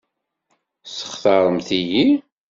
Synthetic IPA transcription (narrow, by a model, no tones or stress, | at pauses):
sə̥χθɑɾˤəmθiji